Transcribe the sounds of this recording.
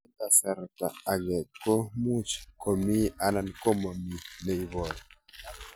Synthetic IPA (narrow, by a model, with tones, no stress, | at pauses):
ta˨sa˨ɾka˨a˨ɡɛ˨ko˦mu˦t͡ʃko˨mi˦a˦na˦˨nko˦ma˨mi˨nɛ˨i˨βɔ˨ja˨